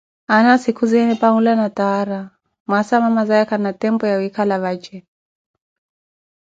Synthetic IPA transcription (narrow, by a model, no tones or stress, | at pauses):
anasikʰuzɛnɛpaŋulanataaɾa | masamamazajakanatɛmbɔjawikalaβat͡ʃɛ